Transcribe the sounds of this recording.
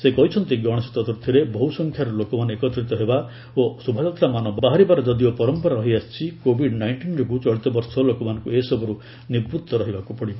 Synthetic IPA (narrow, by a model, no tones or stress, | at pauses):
sekɔɦit͡ʃʰɔnt̪iɡɔɽ̃ɔsit̪ɔd̪ɔɾt̪ʰiɾebɔɦusɔŋkʰjaɾɔlokɔmanɔekɔt̪ɾit̪ɔɦeba | osubʱad͡ʒɔt̪ɾamanɔbbaɦaɾibaɾɔd͡ʒɔd̪iopɔɾɔmpɔɾaɾɔɦiast͡ʃʰikobʱiɖnajɳʈind͡ʒɔkut͡ʃɔɭit̪ɔbɔɾsɔlokɔmanɔ̃ŋkuesɔbɔɾu | niɾbɾud̪ʱːɔɾɔɦibakupɔɽi